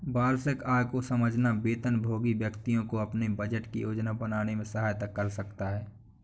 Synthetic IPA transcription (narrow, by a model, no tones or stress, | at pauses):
baːɾsɪkaːkosəməd͡ʒʱnabeːt̪ənbʱoːɡibjəkt̪ijõkoɐpnebəd͡ʒəʈkḭjoːd͡ʒnabənaːnemẽsəɦaːjt̪əkːəɾsəkt̪aɦɛː